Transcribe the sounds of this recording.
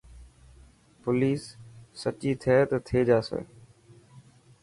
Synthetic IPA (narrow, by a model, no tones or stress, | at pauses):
pʊliːsːət͡ʃiːt̪ʰeːt̪t̪ʰeːd͡ʒaːsḛː